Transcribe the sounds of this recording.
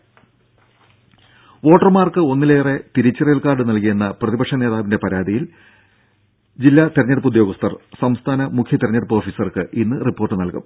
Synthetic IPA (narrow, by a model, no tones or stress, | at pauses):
ʋo̞ːʈːɐrmaːrkɨo̞nːileːre̞t̪iɾit͡ɕːɐrelkaːɖɨnɐlkijenːɐprɐðibɐkʂɐne̞ːðaːʋinde̞pɐɾaːd̪ijil | d͡ʑilːat̪eɾɐɲːɐɽupːud̪jo̞ːɡɐst̪ɐrsɐmst̪ʰaːnɐmukʰjɐt̪eɾɐɲːɐɽpːo̞ːfisɐrkɨʔinːɨripːo̞ːrʈːɨnɐlkṵm